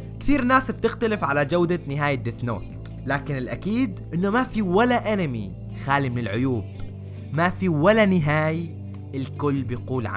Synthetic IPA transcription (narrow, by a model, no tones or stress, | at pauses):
kθiːɾnaːsb̚t̪ɪxt̪alɪfʕalad͡ʒawd̪anɪɦaːjad̪ɪθno̰ːt̪ | laːkɪnɪlʔakiːd̪ʔɪnːumafiwalaʔanamḭ | xaːlimɪnɪlʕʊjuːb̚ | mafiwalanɪɦaːj | ɪlkʊlːbɪjquːlʕa̰